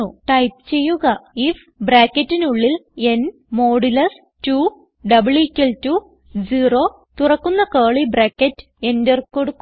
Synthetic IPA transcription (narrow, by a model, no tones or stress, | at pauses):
uʈɐjpt͡ɕe̞jːuɣɐif | braːkːɐtːinuɭːile̞n | mo̞ːɽilɐs | tuː | ɖɐbɨɭkʲːɐltu | d͡ʑiːro̞ | t̪urɐkːunːɐkeːɭibɾaːkːɐtːɨ̥e̞nderko̞ɽukːu